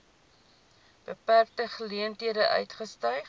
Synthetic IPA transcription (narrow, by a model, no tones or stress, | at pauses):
b̥əpærk̚təχəliəntɦiədəʔœ̰ɥtχəstœjf